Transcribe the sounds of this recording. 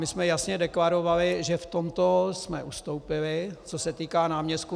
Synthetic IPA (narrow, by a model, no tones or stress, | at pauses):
mɪsmɛjasɲɛdɛklaɾo̞valɪʒɛft̪omt̪osmɛʔust̪o̞wpɪlɪt͡so̞sɛt̪iːkaːnaːmɲɛst̪ku